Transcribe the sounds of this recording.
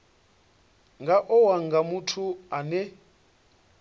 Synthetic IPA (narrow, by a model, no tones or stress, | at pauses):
ŋɡaʔɔwaŋɡamutʰuanɛ